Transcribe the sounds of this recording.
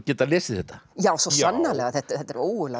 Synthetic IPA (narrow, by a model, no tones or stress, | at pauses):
cɛːt̪alɛːsɪθɛt̪ːḁjaːwsosanːalɛɣaθɛht̪θɛt̪ːɛɾoːwɣʏlɛ